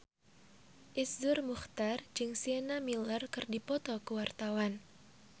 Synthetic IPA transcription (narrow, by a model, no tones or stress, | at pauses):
ʔisdʊrmuxt̪ard͡ʒɨŋsiɛnamilərkɨrdipɔt̪ɔkəwart̪awan